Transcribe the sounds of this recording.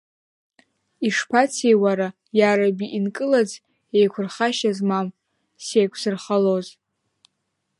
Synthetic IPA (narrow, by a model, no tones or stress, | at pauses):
iʂpʰat͡sʰejwaɾa | jaɾabiʔinkʼɨlad͡z | ejkʷʰʊrχaʃazmam | sejkʷʰsɨrχaloz